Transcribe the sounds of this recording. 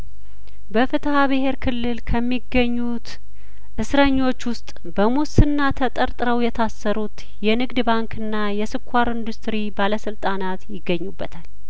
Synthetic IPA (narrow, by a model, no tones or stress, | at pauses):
bəfɨt̪ʰhaβɨɦe̞ɾkʰɨlːɨlkʰəmːiɡːəɲːut̪ | ʔɨsɾəɲːo̞t͡ʃːwʊst̪ʼ | bəmusɨnːat̪ʰət̪ʼəɾt̪ʼɾəwjɛt̪ʰasːəɾut̪ | jɛnɨɡd̪baŋkʰɨnːajɛsɨkʷʰːaɾɨnd̪ust̪ʰɾibaləsɨlt̪ʼanat̪jɪɡːəɲːubːət̪ʰal